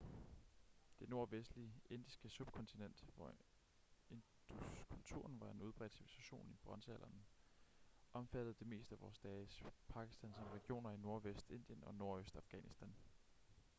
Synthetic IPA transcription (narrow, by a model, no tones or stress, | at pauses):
d̥e̝no̝ɐʋesd̥lie̝n̰d̥isɡ̥əsub̥kʰɒ̽nt͡sʰinen̰d̥ʋɒ̰ | e̝n | d̥ukʰult͡sʰṵɐ̰nʋɑ̈e̝nuðˠb̥ʁɛ̰ːd̥siʋisæɕo̝̰ːnib̥ʁɑnsæl̰ʔɐn | ʔɒ̽mfæd̥ð̞̩ˠd̥e̝me̝̰ːsd̥əæʋɒ̰ːsd̥ɛːɪspʰɑ̈ɡ̥i̥sd̥ænsɒmʁɛɡ̥ijo̝̰ːnɐino̝ɐʋesd̥e̝nd̥jənɒ̽no̝ɐ̰øsd̥ɑ̈fɡ̥ɛ̰nisd̥æn